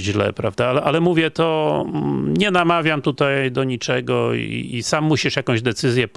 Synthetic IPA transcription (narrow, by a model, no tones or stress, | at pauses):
ʑlɛ̰pɾavd̪aalɛʔalɛmuvʲjɛt̪ɔ | ɲɛnamavʲjamt̪ut̪ajd̪ɔɲit͡ʂɛɡɔ̰ḭisamːuɕiʂjakɔ̃ʑd̪ɛt̪sɘzʲjɛp